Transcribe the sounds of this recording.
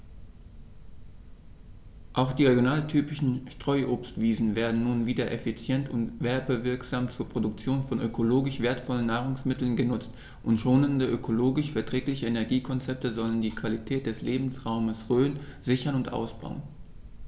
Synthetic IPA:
ʔaʊxd̥iːʁeɡjonaːltʰyːpɪʃn̩ʃtʁ̥ɔʏʔoːpstv̥iːzn̩veːɐdn̩nuːnviːdɐʔefit͡sjɛntʊntv̥ɛɐbəvɪɐkz̥aːmt͡suːɐpʁ̥odʊk̚t͡sjoːnfɔnʔøkʰoloːɡɪʃv̥eːɐtfɔlənːaːʁ̞ʊŋsmɪtl̩nɡənʊt͡st | ʔʊntʃoːnəndəʔøkʰoloːɡɪʃfɛɐtʁ̥ɛːklɪçəenɛɐɡiːkʰɔnt͡sɛp̚təzɔləndiːkv̥alitʰɛːt̚d̥ɛsleːbm̩sʁaʊməsʁøːənz̥ɪçɐnʊntʔa̰ʊsb̥a̰ʊən

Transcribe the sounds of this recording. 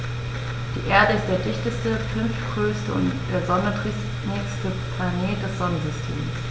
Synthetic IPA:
d̥ḭːʔeːɐdəɪst̚d̥eːɐdɪçtəstəfʏnftɡ̥ʁøːstəʊ̰ntd̥eːɐzɔnɐtʁɪ | nɪkstəplaneːt̚d̥ɛsz̥ɔnənzʏstʰḛːms

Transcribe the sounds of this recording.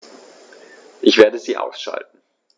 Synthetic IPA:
ʔɪçv̥eːɐdəziːʔa̰ʊsʃa̰ltn̩

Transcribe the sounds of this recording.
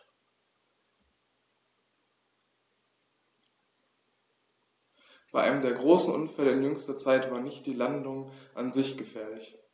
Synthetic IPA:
b̥aɪʔa̰ɪnəmdeːɐɡʁoːsn̩ʔʊ̰nfɛləɪnjʏŋstɐt͡saɪtv̥aːɐnɪçt̚d̥iːlandʊŋʔanzɪçɡ̥əfɛːɐlɪç

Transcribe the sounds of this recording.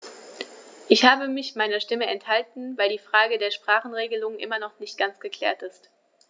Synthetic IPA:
ʔɪçhaːbəmɪçmaɪnɐʃtɪməɛnthaltn̩vaɪldiːfʁ̥aːɡədeːɐʃpʁ̥aːχn̩ʁeːɡəlʊŋʔɪ̰mɐnɔχnɪçt̚ɡ̥ant͡sɡ̥əkʰl̥ɛ̰ːɐtɪst

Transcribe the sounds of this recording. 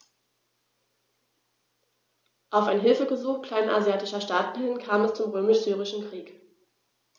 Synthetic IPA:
ʔaʊfaɪnɦɪlfəɡəzuːχkʰl̥aɪnʔazjaːtɪʃɐʃtaːt̚b̥əlɪnkʰaːmɛst͡sʊmʁøːmɪʃz̥yːʁɪʃn̩kʁ̥iːk

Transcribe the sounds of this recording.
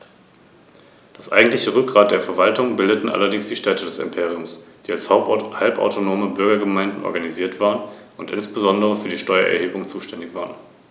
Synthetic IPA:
d̥asʔa̰ɪɡŋ̩tlɪçəʁʏk̚ɡ̥ʁaːt̚d̥eːɐfɛɐvaltʊŋbɪldətn̩ʔa̰lɐdɪŋsd̥iːʃtɛːtʰədɛsɪ̰mpʰeːʁiʊmsd̥iːalshaʊp̚thalpa̰ʊtʰonoːməbʏɐɡɐɡəmaɪndn̩ʔɔ̰ɐɡaniziːɐtv̥aːʁən | ʊntʔɪ̰nsb̥əzɔndəʁ̞əfyːɐdiːʃtɔʏɐ̰ʔɛ̰ɐheːbʊŋt͡suːʃtɛndɪçv̥aːʁən

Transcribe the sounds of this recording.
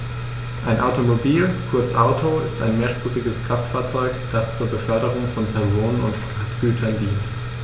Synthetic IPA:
ʔaɪnʔaʊtomobiːlkʰʊɐt͡sʔaʊtʰoɪsta̰ɪnmeːɐʃpʁ̥ʏdɪɡəsɡ̥ʁaftfaːɐt͡sɔʏkd̥ast͡suːɐbəfœɐɾəʁʊŋfɔnpʰɛɐzoːnənʊnt | aːtɡ̥yːtʰɐndiːnt

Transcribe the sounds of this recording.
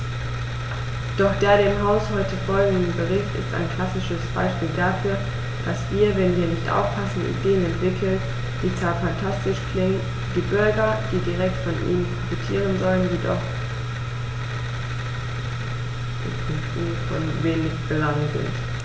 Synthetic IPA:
d̥ɔχd̥eːɐɾeːmɦaʊshɔʏtəfɔlɡŋ̩d̩bəʁɪçtɪ̰stʔa̰ɪnkl̥asɪʃəsb̥a̰ɪʃpiːldafyːɐ | d̥asv̥iːɐvɛnviːɐnɪçtʔa̰ʊfpʰasn̩ʔḭd̥eːənɛntv̥ɪkʰl̩t | d̥iːt͡saːfantʰastɪʃklɪŋən | d̥iːbʏɐɡɐd̥iːdiʁɛk̚tfɔnʔḭːnənpʁ̥ofitʰiːʁ̞ənzɔlənzidɔ̰χ | fɔnveːnɪçb̥əlaŋnzɪ̰nt

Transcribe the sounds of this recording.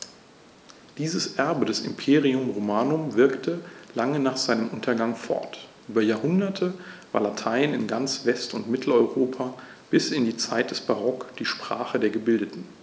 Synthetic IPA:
d̥iːzəsʔɛɐbədɛsɪ̰mpʰeːʁiʊmʁomaːnʊmvɪɐktʰəlaŋənaːχz̥aɪnəmʔʊntɐɡaŋfɔ̰ɐtʔyːbɐjaːɐhʊndɐtʰəva̰ːɐlatʰaɪnɪnɡant͡sv̥ɛstʊntmɪtʰl̩ɔʏʁoːpʰa | b̥ɪsɪndiːt͡saɪt̚d̥ɛsb̥aʁɔkd̥iːʃpʁ̥aːχədeːɐɡəbɪldətn̩

